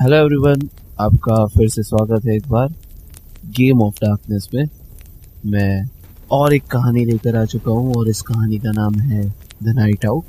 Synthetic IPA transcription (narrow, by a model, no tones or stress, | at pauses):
hɛloːɛʋɾiʋən | aːp̚kafɪɾseswaːɡət̪ɦɛeːk̚baːɾ | ɡeːmɔːfɖaːɾknəsmẽ | mɛ̃ːɔːɾeːkːɐɦaːnileːkəɾaːt͡ʃʊkaɦũɔːɾɪskɐɦaːnikanaːmɦɛd̪ɐnaːɪʈaʊk̚